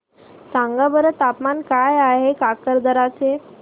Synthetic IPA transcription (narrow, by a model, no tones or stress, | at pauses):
sãŋɡabəɾət̪apmankajaɦekakəɾd̪əɾat͡se